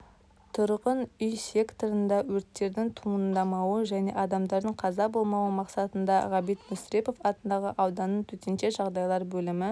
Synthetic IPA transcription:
t̪ʰʊɾqənʏjsʲe̞kt̪o̞ɾənd̪ɑwɵɾt̪ːe̞ɾd̪ɪŋt̪ʰuənd̪ɑmɑwəʒæne̞̰ʔɑd̪ɑmd̪ɑɾd̪əɴqʰɑzɑbo̞lˠmɑwəmɑqsɑt̪ənd̪ɑʁɑbijt̪mʊsɾepo̞fɑt̪ənd̪ɑʁə̰ʔɑwd̪ɑnːəɴt̪ʰɵt̪enʃe̞ʒɑʁd̪ɑjlˠɑɾbɵlɪmɪ

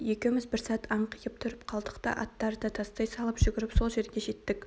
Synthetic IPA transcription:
jekʲemɪzbɪɾsɑt̪ʰɑɴqʰijəp̚t̪ʰʊɾəpqʰɑlˠd̪əqt̪ɑ̰ʔɑ̰t̪ːɑɾd̪ɑt̪ʰɑst̪ɑjsɑlˠəpʒʏɡʲɪɾɪpso̞lˠʒe̞ɾɡʲeʒe̞t̪ːɪk

